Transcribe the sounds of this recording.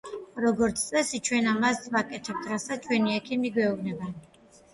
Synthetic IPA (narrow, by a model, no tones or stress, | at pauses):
ɾɔɡɔɾt̪sʰt̪sʼɛsit͡ʃʰwɛnamasvakʼɛt̪ʰɛp̚t̪ʰɾasat͡ʃʰwɛniɛkʰimiɡwɛubnɛba